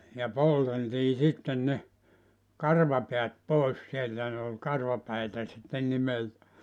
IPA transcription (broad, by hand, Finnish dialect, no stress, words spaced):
jɑ polteltiː sitːen ne kɑrʋɑpeæt poˑes sieltæ ne ol kɑrʋɑpæitæ sitːen nimeltæ